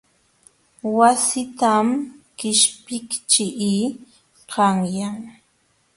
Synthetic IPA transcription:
wasɪt̪amkɪʃpɪkt͡ʃɪʔi | qɑŋjaŋ

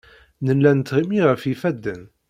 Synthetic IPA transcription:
nəlːænət̪ːʁimiʁəfifæd̪ːən

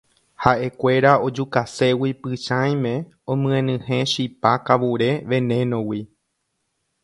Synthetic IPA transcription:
haʔe̞kʷe̞ɾao̞d͡ʒukase̞wipɨʃãj̃mẽ | õmɨ̃ẽnɨ̃hẽ̞ʃipakaʋuɾe̞ʋẽ̞nẽnõwi

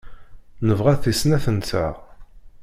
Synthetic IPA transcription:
nəvʁæθisnæθənt͡sːa̰

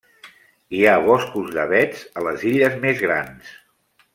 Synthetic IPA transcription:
iaβɔskuzðəβɛd͡zələziʎəzmezɣɾans

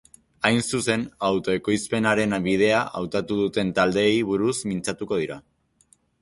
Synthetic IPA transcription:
ajnsuse̞nawt̪o̞e̞ko̞jspe̞naɾe̞nβið̞e̞aʔa̰wt̪at̪uðut̪e̞nt̪ald̪e̞jβ̞uɾusmint͡sat̪uko̞ðiɾa

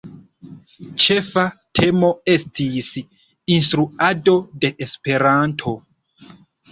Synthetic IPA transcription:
t͡ʃe̞fatʰe̞mo̞e̞stʰis | ins̬tɾuado̞de̞ʔespe̞ɾantʰo̞

